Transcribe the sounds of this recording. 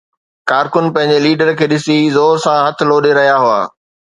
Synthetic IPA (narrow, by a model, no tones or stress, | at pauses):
kaːɾkʊnpɐ̃ɦɪ̃ɲ̆d͡ʑeliːɖəɾkʰeːɗɪsizoːɾsãɦɐt̪ʰɪ̆loːɗeɾɐɦijaɦʊa̰ː